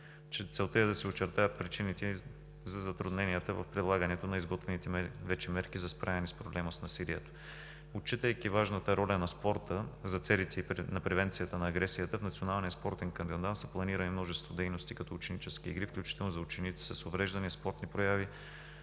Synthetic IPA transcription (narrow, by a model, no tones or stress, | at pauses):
t͡ʃɛt̪sɛlˠt̪əjəd̪ɐsɛot͡ʃɛɾt̪ajət̪̚pɾit͡ʃinit̪ɛ | zɐzɐt̪ɾʊd̪nɛnijət̪əvɐfpɾilˠaɡənɛt̪onɐizɡɔt̪vɛnit̪ɛvɛt͡ʃɛmɛɾkizɐspɾʔavɛnispɾoblɛməsnɐsiliɛt̪o̥ | ot͡ʃːit̪əjk̟ivaʒnət̪əɾɔlʲɐnɐspɔɾt̪əzɐt̪sɛlit̪ɛinɐpɾɛvɛnt̪sijət̪ənɐːɡɾɛsijət̪əfnɐt̪sionalˠnijəspɔɾt̪ɛnkɐnd̪ɛnd̪ansɐplˠɐniɾɐnimnɔʒɛst̪vod̪ɛjnost̪ikɐt̪ɔʊt͡ʃɛnit͡ʃɛskiːɡɾifklʲut͡ʃi̥t̪ɛlˠnʊzɐʊt͡ʃɛnit̪i̥sɐsovɾɛʒd̪ɐnispɔɾt̪nipɾojavi